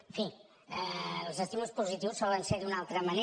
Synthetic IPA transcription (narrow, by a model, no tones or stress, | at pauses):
fi | əlˠzəst̪imulˠspuzit̪iwsːɔlənseɾðd̪unalˠt̪ɾəməne